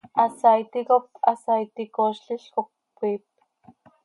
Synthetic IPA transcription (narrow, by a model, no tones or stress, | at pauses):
asajt̪ikopasajt̪ikoʃɬiɬkopːʷip̪̚